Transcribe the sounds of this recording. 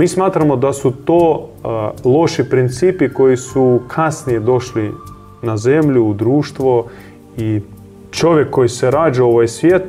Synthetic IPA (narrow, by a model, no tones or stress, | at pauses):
miːsmaːt̪ɾamod̪asut̪oː | lˠo̞ʃipɾint̪siːpiko̞jisukʰasnijed̪o̞ʃli | naze̞mʎuːd̪ɾuːʃt̪ʋo | i | t͡ʃo̞ʋʲjekʰːo̞jiseɾaːd͡ʒaoʋajsʋʲjet̪